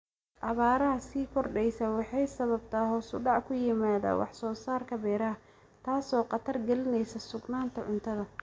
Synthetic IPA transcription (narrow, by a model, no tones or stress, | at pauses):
ʔɑβaːɾɐɦɐsiːkʰɔrɖɛjsɐːwɑħɑjsɐβɐbt̪ʰaːɦɔːsʊɖɑʕkʰʊjɪmaːða̰ːwʔɑ̰ħsɔːsaːrkʰɐbɛːɾɐɐ | t̪ʰaːsɔːqɑt̪ʰɐrɡɛlɪnɛjsɐsʊɡnaːnt̪ʰɐʕʊnt̪ʰɐðɐ